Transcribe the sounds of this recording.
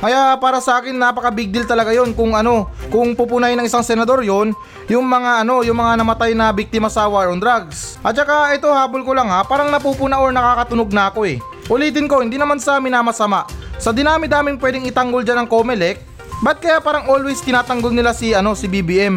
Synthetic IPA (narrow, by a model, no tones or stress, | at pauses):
kɐjaʔpaːɾɐsɐʔaːkɪnːaːpɐkɐbiɡ̚d̪ɪlt̪ɐlɐɡajo̞nkʊŋɐno̞kʊŋpupʊnajnɐŋɪsaŋsɛnɐd̪o̞ɾjo̞n | jʊŋmɐŋaʔɐno̞jʊŋmɐŋanɐmɐt̪ajnɐbik̚t̪ɪmɐsɐwaɹond̪ɾaɡsʔɐt̪̚t͡ʃɐkaʔɛt̪o̞haːbolkolaŋhapaːɾɐŋnɐpuːpʊnɐʔoɹnɐkaːkɐt̪ʊnoɡ̚nɐɐko̞ɛ | ʔʊliːt̪ɪnko̞hɪnd̪iːnɐmansɐmɪnaːmɐsɐmaʔsɐd̪ɪnaːmɪd̪aːmɪŋpwɛːd̪ɪŋɪt̪ɐŋɡold͡ʒanɐŋko̞mɛlɛk̚ | bɐt̪̚kɐjapaːɾɐŋʔo̞lwɛjskɪnaːt̪ɐŋɡolnɪlasɪɐno̞sɪbibiʔɛm